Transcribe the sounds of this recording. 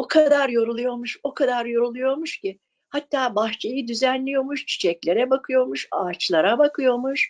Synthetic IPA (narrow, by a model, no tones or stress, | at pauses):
okʰad̪aɾjo̞ɾulˠujo̞ɾmuʃo̞kʰad̪aɾjo̞ɾulˠujo̞ɾmuʃcɪ | hat̪ːaːbaxt͡ʃʰajid̪yzænlʲijo̞ɾmuʃt͡ʃʰi̥t͡ʃʰɛclʲe̞ɾɛbakʰɯjo̞muʃaːt͡ʃlˠaɾabakʰɯjo̞muʃ